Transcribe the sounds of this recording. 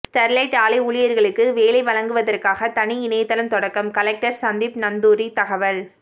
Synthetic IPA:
sʈɐɾlɐɪʈaːlɐɪʊɭɪjɐɾɣɐɭɯkːɯʋeːlɐɪʋɐlɐŋɡɯʋɐðɐrkaːɣɐt̪ɐniɪnɐjɐt̪ːɐlɐnt̪ɔɽɐkːɐmkɐlɛk̚ʈɐɾsɐnd̪ɪpnɐnd̪uːɾit̪ɐɣɐʋɐl

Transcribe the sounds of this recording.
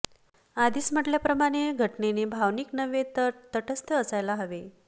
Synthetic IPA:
ad̪iːsm̤əʈljapɾəmaɽ̃eɡʱəʈnenebʱaʋniknəʋet̪t̪əʈəst̪ʰəːsajlaɦəʋe

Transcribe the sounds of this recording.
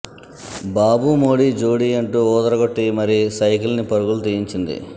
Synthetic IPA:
baːbumoːɽiːd͡ʒuːɽiːɐɳʈuːuːt̪ɐɾɐɡoʈːimɐɾisɐjkilnipɐɾuɡulut̪ijiɲt͡ʃind̪ḭ

